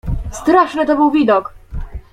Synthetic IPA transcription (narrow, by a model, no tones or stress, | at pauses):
st̪ɾaʂnɘt̪ɔbɘwvʲid̪ɔk